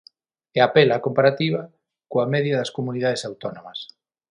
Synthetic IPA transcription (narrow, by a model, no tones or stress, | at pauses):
ɛapelakompaɾat̪iβɐ | koamɛðjɐðɐskomunið̞að̞esawt̪onõmɐs